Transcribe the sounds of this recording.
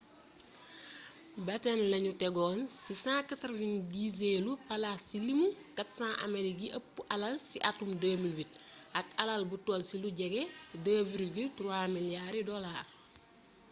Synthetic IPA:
bɐtɛnlɐɲutɛɡoːnsisãːkɐtɐɾvindizeːlupɐlasilimukɐtsãːʔɐ̰meliɡiʔɐpːuʔɐlɐlsiʔatumdaːmilbit̚ɐkɐlɐlbutolsiluɟɛɡɛdaːviɾuɡitɾuamiljaːɾidɔlaː

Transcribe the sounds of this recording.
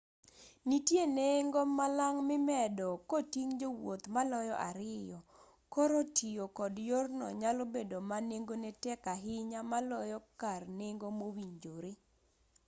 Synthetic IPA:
nitjeneŋɡomalaŋmɪmɛdɔkotiŋd͡ʒowot̪malɔjɔʔaɾɪjɔ | kɔɾotʰijokɔdjornɔ̰ɲalobedomaneŋɡonɛtɛkaɦɪɲamalɔjɔkarneŋɡomowiɲd͡ʒoɾe

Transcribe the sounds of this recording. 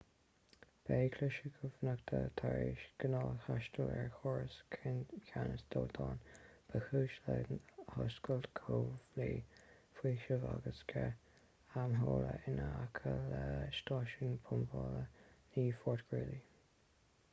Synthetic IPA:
b̥eːkʰlɪʃəɡʰəvnəkt̪ʰət̪ʰaɹiʃɡ̥ənɑːlhaʃtəlɛɹxɔːɹəskʰɪnkʰanəsd̪̥oːt̪ʰɑːnb̥əxuːʃləhɔskəlt̪kʰoːvliː | fiːʃəvaɡəskʰɛ | amɦoːləɪnəakʰələʃtɑːʃənpʰʊmvɑːləniːfɔːɹtɡ̥ɹɪli

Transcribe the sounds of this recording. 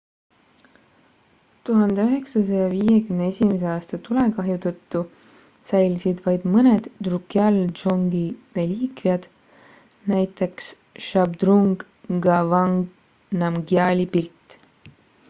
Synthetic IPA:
t̪uɦɑnd̪e̞yɦe̞ksɑs̬ɑjɑviːje̞kymneesʲimes̬eɑːst̪ɑt̪ule̞kɑɦjut̪ɤt̪ːu | sæjlʲisid̪vɑjd̪̥mɤne̞d̪̥d̪rukːiɑldʒoŋɡire̞lʲiːkviɑd̪̥ | næjt̪ːˑe̞ks | ʃɑbd̪̥ruŋɡ̥ | ɡɑvɑŋɡ | nɑmɡiɑlʲipilʲt̪ːˑ

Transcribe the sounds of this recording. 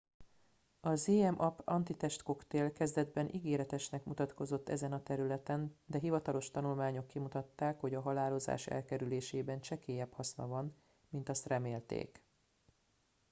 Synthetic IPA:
ɒzeːɛmʔɒpɒnt̪it̪ɛʃt̪ko̞kt̪eːlkɛzd̪ɛd̪bɛnʔiɡeːɾɛt̪ɛʃnɛkmut̪ɒt̪ko̞zo̞t̪ːɛzɛnɒt̪ɛɾylɛt̪ɛnd̪ɛɦivɒt̪ɒlo̞ʃt̪ɒnulmaːɲo̞kːimut̪ɒt̪ːaːkho̞ɟɒɦɒlaːlo̞za̰ːʃɛ̰lkɛɾyleːʃeːbɛnt͡ʃɛkeːjɛphɒsnɒ̰vɒn | mint̪ɒst̪rɛmeːlt̪ḛːk

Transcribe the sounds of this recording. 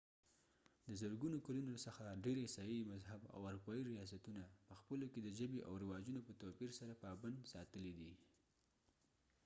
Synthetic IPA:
d̪əzəɾɡunokalunosəxaɖeɾesɑjimazɦaba̰waɾupɑjiɾijɑs̬at̪unapəxpəloked̪əʒəbeʔa̰wɾɪwɑd͡ʒunopət̪opiɾsaɾapəɑband̪sɑt̪əlid̪i

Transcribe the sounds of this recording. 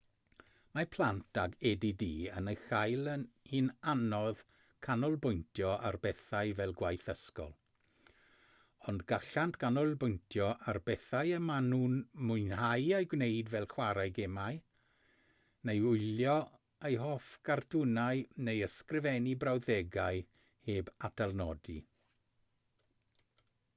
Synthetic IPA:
mapʰlˠantʰaɡɛdidiːənəxajlˠənhinanɔð | kʰanɔlˠbʊjntʰjɔʔa̰rbɛθaɨvɛlˠɡwajθəskɔ̰lˠ | ɔndɡaɬantʰɡ̥anɔlˠbʊjntʰjɔʔarbɛθajəmanuːnmʊjnhajejɡwnejdvɛlˠχwaɾajɡɛmaj | nejʊɨljɔ | ejɦɔfɡ̥ardʰʊnaɨnejəskrɪvɛnibrawðɛɡaɨ | heːbatʰalˠnɔdi

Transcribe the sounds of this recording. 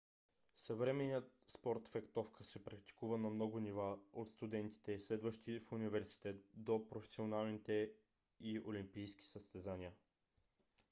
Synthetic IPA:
səvɾɛmɛniət̪̚spɔɾt̪fɛkt̪ɔfkəsɛpɾɐk̚t̪i̥kuvənɐmnɔɡʊnivaot̪st̪ud̪ɛnt̪i̥t̪ɛslɛd̪vəʃt̪ifunivɛɾsi̥t̪ɛt̪d̪opɾofɛ̥sionalˠnit̪ɛ | iolimpijsk̟ʲi̥səst̪ɛzaniə

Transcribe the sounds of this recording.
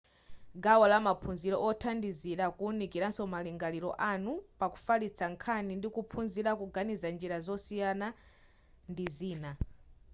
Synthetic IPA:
ɡawalamapʰunziɾɔʔɔtʰandiziɾakunikiɾansɔmaliŋɡaliɾɔ̰ʔanupaku̥falit͡sʰaŋkʰanindikupʰunziɾakuɡanizand͡ʒiɾazɔsijana | ndiziːna

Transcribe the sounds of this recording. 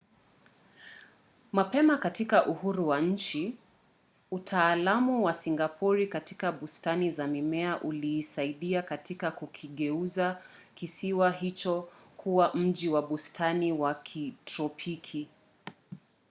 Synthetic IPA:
mapɛmakatikaʔuhuɾuwaɲ̩t͡ʃi | utʰaːlamuwasiŋɡapʰɔɾikati̥kaɓustanizamimɛaʔuliːsaiɗiakatikakukʰiɠɛuzakisiwaɦit͡ʃɔkʰuwam̩ʄiwaɓustʰaniwakʰitɾɔpʰikʰi

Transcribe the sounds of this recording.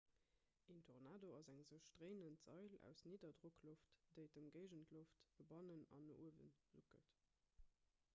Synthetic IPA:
ʔintʰoʁnaːdoɑzæŋzəʊʃtʁeɪnəntz̥ɑɪlæ̰ʊsniːdɐdʁokloftd̥əɪdəmɡəɪʒəntʰloftb̥əbɑnənɑ̰noʔuəvə̰nz̥ukə̰t

